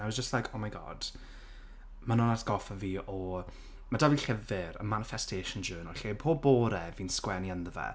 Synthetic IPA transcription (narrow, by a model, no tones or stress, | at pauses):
awɔzd͡ʒəstlajkʰɔmajɡɔ̰d̥ | manɔnatɡ̥ɔfaviːʔɔ | madaviɬɛvɪɾə̰manɪfɛstʰeːʃənd͡ʒəːnəlɬepʰoːboːɾɛviːnskwɛniənðəvɛ̰